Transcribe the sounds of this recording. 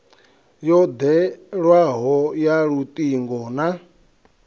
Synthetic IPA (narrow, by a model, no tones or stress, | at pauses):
jɔd̪ɛɺwaɦɔjaɺut̪ʼiŋɡɔna